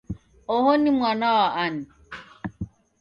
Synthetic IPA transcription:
ɔhɔnimwanawaʔani

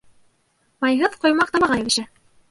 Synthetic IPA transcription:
mɑjɦɤðqŏjmɑq̚t̪ɑmɑʁɑjeviʃɘ

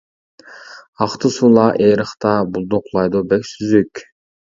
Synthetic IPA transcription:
ɑqt̪ɯsulˠɑʔeːɾɯχt̪ɑbulˠd̪oqlˠɑjd̪obɛksyzyk

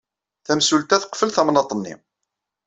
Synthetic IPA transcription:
θæmsult̪æθə̥qːfəlθæmnɑt̪ˤənːḭ

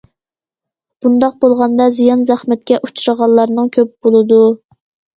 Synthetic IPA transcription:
b̥und̪ɑq̚bolˠʁɑnd̪ɑzijɑnzæχmɛt̪̚kʲɛʔut͡ʃʰuɾəʁɑlˠːɑɾnɨŋkʲʰøp̚b̥olˠɨd̪u

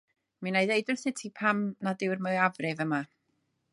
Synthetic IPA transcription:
minajðejdʊrθɪtʰipʰamnadɪwrməavrɪvəma

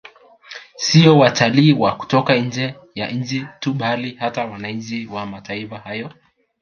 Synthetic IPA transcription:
siɔwatʰaliːwaku̥tɔkan̩d͡ʒɛ | jaɲ̩d͡ʒituɓalihatawanaiɲd͡ʒiwamataifahajɔ

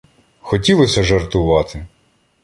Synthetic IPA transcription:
xɔtʲilˠɔsʲɐʒɐrt̪ʊʋɑt̪ɪ

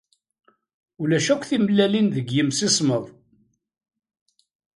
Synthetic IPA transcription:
ulæʃækʷːθiməlːælinðəɡjəmsisˤməðˤ

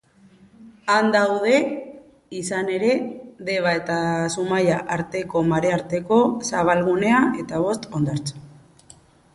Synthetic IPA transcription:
and̪awð̞e̞ | isane̞ɾe̞ðe̞βae̞t̪asumajaʔaɾt̪e̞ko̞maɾe̞aɾt̪e̞ko̞saβ̞alɣune̞ae̞t̪aβ̞o̞st̪o̞nd̪aɾt͡so̥

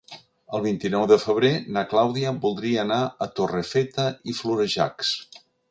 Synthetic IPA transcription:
əlˠβ̞int̪inɔwðəfəβ̞ɾenəklawðiəbulˠd̪ɾiəːnaət̪orefet̪əifluɾəʒa̰ks

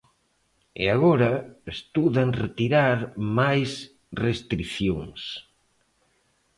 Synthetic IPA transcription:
ḛaɣoɾɐest̪uðanret̪iɾaɾmajs | rest̪ɾiθjoŋs

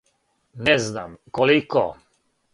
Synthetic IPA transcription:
nɛzna̰mkɔlikɔ̰

